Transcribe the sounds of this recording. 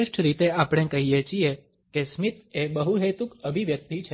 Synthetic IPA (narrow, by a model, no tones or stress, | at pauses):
ɪʃʈʰɾit̪eapɽ̃ekəɦijet͡ʃie | kesmit̪ebəɦuɦet̪ukəbʱiʋjək̚t̪it͡ʃʰe